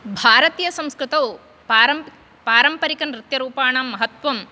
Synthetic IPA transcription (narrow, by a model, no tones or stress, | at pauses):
bʱaːɾɐt̪ijɐsɐ̃mskɾɨt̪ɐw | paːɾɐmpɐɾikɐnɾɪt̪jɐɾuːpaːɳaːmːɐɦɐt̪ʋɐm